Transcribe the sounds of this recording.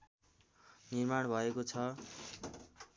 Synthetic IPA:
nirmaɽ̃bʱʌekot͡sʰʌ

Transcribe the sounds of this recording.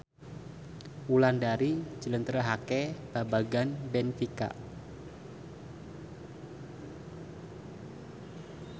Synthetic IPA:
wulandaɾi̥d͡ʒələnt̪ɾəɦakɛb̥abaɡanbɛnfika̰

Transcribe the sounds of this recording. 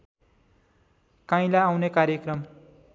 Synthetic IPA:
kãj̃laawnekaɾjʌkrʌm

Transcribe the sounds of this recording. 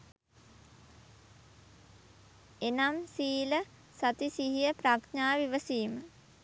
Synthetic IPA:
enamsiːlə | sat̪isiɦijəpɾakɲaːʋiʋəsiːmə

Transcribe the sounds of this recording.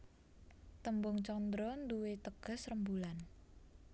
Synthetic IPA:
t̪əmbʊŋt͡ʃɔnd̪ɾɔnd̪uwet̪əɡ̥ə̤srəmbulan

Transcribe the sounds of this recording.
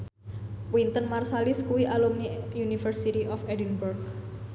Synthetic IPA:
wint̪ənmarsaliskuwiʔalumnijunifərsit̪iʔɔfɛdinburk̚

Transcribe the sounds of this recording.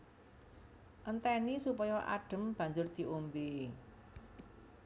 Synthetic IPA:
ʔənt̪ɛnisupɔjɔʔa̰ɖ̥ə̤mb̥a̤ɲd͡ʒʊrd̪̥i̤ʔombe

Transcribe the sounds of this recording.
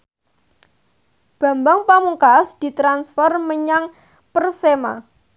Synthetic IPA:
b̥a̤mbaŋpamuŋkasd̪̥i̤t̪ɾansfɛrməɲaŋ | pərsema̰

